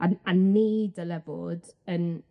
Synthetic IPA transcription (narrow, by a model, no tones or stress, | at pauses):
aannːeːdəlɛvɔ̰ːdən